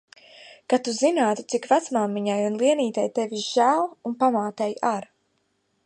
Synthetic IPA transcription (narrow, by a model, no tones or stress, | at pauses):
kat̪uzinaːt̪u̥t̪sikvat̪smamːiɲajunlˠiɛniːt̪ɛjt̪evʲiʒæːlˠunpamaːt̪ɛjaɾ